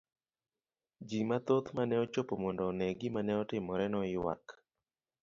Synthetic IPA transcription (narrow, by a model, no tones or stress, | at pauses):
d͡ʒimat̪ot̪manɛɔt͡ʃopomɔndɔnɛɡɪmanɛɔtɪmɔɾɛnɔɪwa̰k